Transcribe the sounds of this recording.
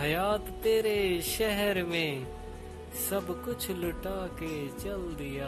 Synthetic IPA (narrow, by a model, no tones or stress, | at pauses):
ɦəjaːt̪ːeːɾeʃɛɦəɾmẽ | sɐbkʊt͡ʃʰlʊʈaːket͡ʃɐld̪ɪjaː